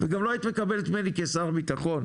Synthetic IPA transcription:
veɡamlo̞ajit̪mekabelet̪menikesaʁbit̪aχo̞n

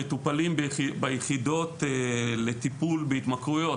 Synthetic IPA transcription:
et̪upalimbbajeχido̞t̪ele̞t̪ipulbeit̪makʁujo̞

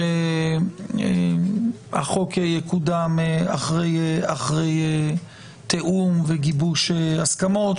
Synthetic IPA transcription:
e | e | a̰χokejekudameaχʁejeaχʁe̞je | t̪ʰeʔumveɡibuʃeaskamo̞t̪

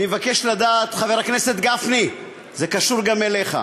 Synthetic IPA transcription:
nimevake̞ʃlad̪aːt̪χaveʁakne̞set̪ɡafni | ze̞kaʃuʁɡamele̞χa̰

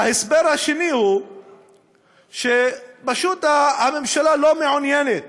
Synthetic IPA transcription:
ahesbeɾhaʃenihu | ʃebaʃut̪ahamemʃalalo̞meʕunjenet̪̚

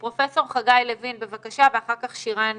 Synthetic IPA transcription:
pʁo̞fe̞so̞ʁχaɡajlevinbe̞vakaʃaveaχaʁkaχʃiʁan

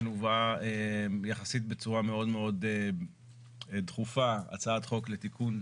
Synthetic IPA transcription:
nuvaejaχasit̪̚be̞t͡suʁameo̞dme̞o̞d̪e | d̪χufaa̰t͡saat̪χo̞klet̪ikʰun

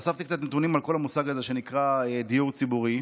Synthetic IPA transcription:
saft̪ikt͡sat̪net̪unimalko̞lamusaɡazeʃe̞nikʁaed̪ijuʁt͡sibuʁi

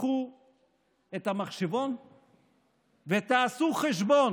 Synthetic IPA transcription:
χu | et̪amaχʃevo̞n | vet̪aːsuχeʃ̬bo̞n

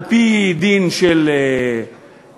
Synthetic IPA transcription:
pid̪inʃele

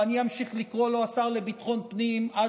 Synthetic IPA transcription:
aniamʃiχlikʁo̞lo̞asaʁlebit̪χo̞npnima

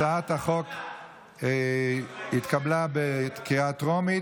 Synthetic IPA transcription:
aataχok | it̪kablabet̪kiat̪ʁomi

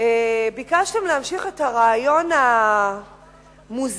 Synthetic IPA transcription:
ebikaʃtemlehamʃiχethaʁaːjo̞na | muz

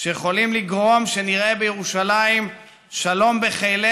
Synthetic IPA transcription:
ʃejeχo̞limliɡʁo̞mʃe̞niʁebejeʁuʃalaim | ʃalo̞mbe̞χele

